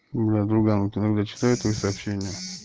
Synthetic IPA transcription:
blʲad̪ɾuɡannaɡd̪at͡ʃɪ̥t̪ajɛt̪ojsɐːpɕenʲɪjə

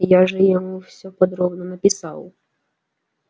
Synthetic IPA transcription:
jaʒɛjɔmuwsʲɔpɔd̪ɾɔbnɔnɐpʲɪsɑw

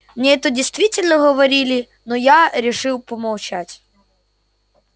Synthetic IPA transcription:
mnʲeɛt̪ədʲɪjst̪vʲitʲɪlʲnəɣəvɐɾʲilʲɪ | nojaɾʲɪʂɨlˠpəmɐlˠt͡ɕatʲ

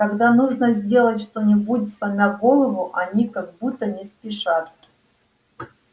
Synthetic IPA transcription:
k̪ɐɡd̪anuʐnəzʲdʲe̞lˠətʲʂt̪onʲɪbudʲt̪samʲaɡo̞lˠəvʊʔɐnʲikaɡ̚but̪ːənʲɪspʲɪʂat̪̚

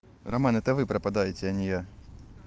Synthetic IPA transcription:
rɐmanɛt̪əvɨpɾəpad̪ajɪtʲɪɐnʲɪja

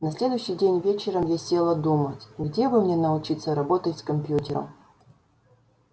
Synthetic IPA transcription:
nɐsʲlʲe̞d̪ʊjʊɕːɪjdʲenʲvʲet͡ɕɪɾəmjasʲelˠəd̪umətʲɡdʲe̞bɨmnʲenəʊt͡ɕit̪səɾɐbo̞t̪ətʲskɐmʲpʲjutʲɪɾə̰m

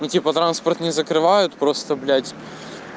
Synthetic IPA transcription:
nʊtʲipət̪ɾanspərt̪nʲɪzəkɾɨvajʊt̪pɾo̞st̪əblʲætʲ

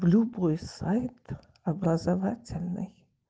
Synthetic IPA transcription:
blʲubojsajt̪ʰ | abrɐzavatʲʰɪlʲnɨj

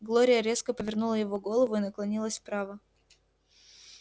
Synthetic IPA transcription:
ɡlˠo̞ɾʲɪjəɾʲe̞skəpəvʲɪrnulˠəjɪvo̞ɡo̞lˠəvʊinəklˠɐnʲilˠəsʲpɾavə

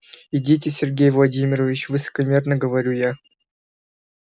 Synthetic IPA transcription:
ɪdʲet̬ʲɪsʲɪrɡʲejvlˠɐdʲimʲɪɾəvʲɪt͡ɕvɨsə̥kɐmʲe̞rnəɡəvɐɾʲuja

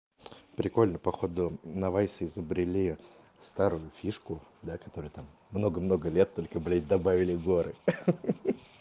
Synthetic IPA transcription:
pɾʲɪko̞lʲnəpɐxo̞d̪ʊnɐvajsəɪzəbɾʲɪlʲi | st̪aɾʊjʊfʲiʂkʊd̪akɐ̥t̪o̞ɾɨjt̪amːno̞ɡəmno̞ɡəlʲet̪ːo̞lʲkəblʲed̪ɐbavʲɪlʲɪɡo̞ɾɨ

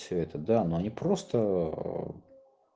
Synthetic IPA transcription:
sʲɵɛt̪əd̪anoɐnʲipɾo̞st̪ə

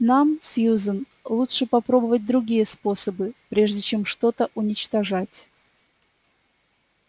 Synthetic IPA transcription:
namsʲjuzən | lˠutʂɨpɐpɾo̞bəvət̚ʲd̪ɾʊɡʲijəspo̞səbɨpɾʲe̞ʐdʲɪt͡ɕe̞mʂt̪o̞t̪əʔʊnʲɪt͡ɕt̪ɐʐatʲ

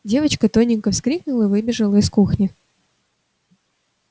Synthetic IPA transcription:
dʲe̞vət͡ɕkət̪o̞nʲɪŋkəfskɾʲiknʊlˠəivɨbʲɪʐəlˠəɪskuxnʲɪ

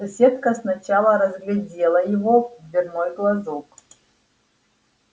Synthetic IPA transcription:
sɐsʲet̪̚kəsnɐt͡ɕalˠəɾɐzɡlʲɛdʲelˠɐjɪvod̪vʲɪrnojɡlˠɐzok

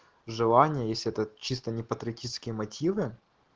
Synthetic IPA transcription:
ʐɨlˠanʲɪjəjesʲlʲɪɛt̪ət͡ɕist̪ənʲɪpət̪ɾʲɪɐtʲit͡ʃɪskʲɪjəmɐtʲivɨ

